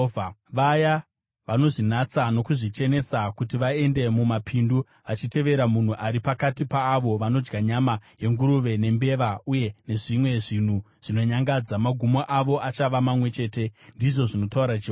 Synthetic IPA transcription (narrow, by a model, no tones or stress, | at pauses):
ʋaja | ʋano̞ʐin̤at͡sano̞kuʐit͡ʃe̞ne̞sakutiʋae̞nde̞mumapʰindu | ʋat͡ʃite̞ʋe̞ɾamun̤uʔaɾipakatipaːʋo̞ʋano̞d͡ʒɡaɲamaje̞ŋɡuɾuʋe̞ne̞mbe̞ʋauje̞ne̞ʐimwe̞ʐin̤u | ʐ̥ino̞ɲaŋɡad͡zamaɡʱumoʔaʋo̞ʔat͡ʃaʋamamwe̞t͡ʃe̞ːte̞ndiʐo̞ʐino̞tauɾae